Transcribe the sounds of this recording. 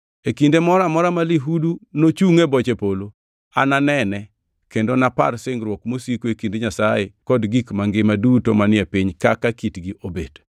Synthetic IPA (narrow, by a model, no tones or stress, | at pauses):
ekindemɔɾamɔɾamaliɦudunot͡ʃuŋebɔt͡ʃepolo | a̰nanɛnɛ | kendonapa̰rsɪŋɾwɔkmosikoekindeɲasajekɔdɡikmaŋɡɪmadutomanɪɛpiɲkakakitɡiobed̥